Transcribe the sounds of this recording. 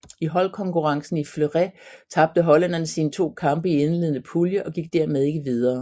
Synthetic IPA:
iɦɒ̽lkʰɒ̽ŋkʰuʁɑ̈ŋsn̩ifløʁɛt͡sʰɑ̈b̥̚d̥əɦɒ̽lænɐnəsiːnət͡sʰo̝̰ːkʰɑ̈mb̥əienle̝ðˠnəpʰuljəʔɒ̽ɡ̥iɡ̥d̥æɐ̰með̞ˠe̝ɡ̥əʋið̞ˠɐː

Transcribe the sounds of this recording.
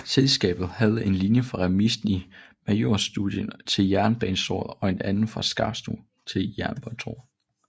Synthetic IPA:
selsɡ̥ɛ̰ːb̥ð̩ˠhæð̞ˠəe̝nlinjəfʁɑ̈ʁɛmisd̥n̩imæjo̝̰ɐ̰sd̥uðˠjənt͡sʰe̝ljæɐnb̥ɛːnso̰ːðˠɒ̽e̝nænn̩fʁɑ̈sɡ̥ɑ̈b̥sd̥ṵ | t͡sʰe̝ljæɐnb̥ɒnt͡sʰo̰ː

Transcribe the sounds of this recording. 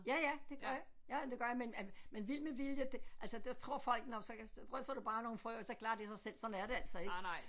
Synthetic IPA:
jæjæd̥e̝ɡ̥ɶɐjɑ | jæd̥e̝ɡ̥ɶɐjɑ̈menmenʋil̰məʋiljəd̥eʔælsəd̥t͡sʰʁo̝ɐ̰fɒ̽l̰ɡ̥nɒsɒ̽sd̥ʁœsd̥ɐd̥ub̥ɑ̈ːno̝ːn̩fʁœːʊsɒ̽kʰlɑ̈ːd̥isɑ̈ɪsel̰sɒ̽dn̩æɐɾ̥e̝æl̰sɒ̽e̝̥

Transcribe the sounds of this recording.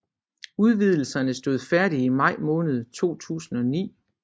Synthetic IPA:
uð̞ˠʋið̞ˠl̩sɐnəsd̥o̝ð̞̰ˠfæɐɾ̥iimɑ̈ɪ̰mɔ̽ːnəð̞̩ˠt͡sʰo̝̰ːt͡sʰṵːsn̩ɒ̽nḭː

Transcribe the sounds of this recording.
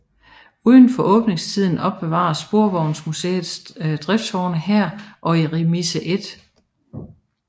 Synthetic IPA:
uðˠn̩fɒ̽ʔɔ̽ːb̥ne̝ŋst͡sʰið̰ˠn̩ɒ̽b̥ːe̝ʋɑ̰̈ɐsb̥o̝ɐʋɒʊnsmusḛːð̩ˠsd̥ʁɛfd̥sɒʊnəhæɐ̰ʔɒ̽iʁimisəʔe̝d̥

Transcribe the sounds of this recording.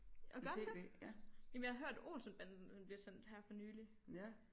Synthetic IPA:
ɒɡ̥ɶɐd̥ḛ | jɛmenjɑ̈häɦøɐ̰d̥o̝̰ːnsənb̥ænn̩enb̥liɐsen̰d̥hæɐfɒ̽nyːli

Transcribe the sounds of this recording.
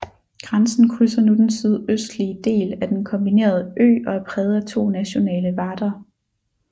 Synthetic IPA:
ɡ̥ʁɑnsn̩kʰʁysɐnud̥ensið̞ˠøsd̥liəd̥e̝̰ːlæd̥enkʰɒ̽mb̥ine̝̰ːɐð̞ˠəʔø̰ːɒ̽æpʰʁɛːð̞̩ˠɐt͡sʰo̝̰ːnæɕo̝nɛ̰ːləʋɑ̈ːd̥ɐ

